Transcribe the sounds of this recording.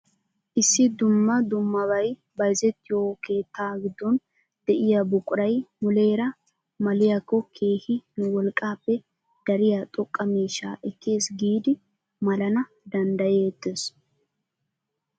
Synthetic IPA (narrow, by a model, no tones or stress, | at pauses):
ʔɪsːɪd̪ʊmːɐd̪ʊmːɐβɐj | bɐjzɛt̪ːɪjoke̞ːt̪ːaːɡɪd̪ːɔn | d̪̥ɛʔɪjabʊkʼʊɾɐjmʊle̞ːɾɐ | mɐlɪjakːɔkʰe̞ːhɪnʊwɔlkʼːaːpːɛ | d̪̥ɐɾɪjat̪ʼɔkʼːɐmiːʃːa̰ːʔɛkːe̞ːsɡiːd̪ɪ | mɐlɐnɐ | d̪ɐnd̪ɐjet̪ːeːs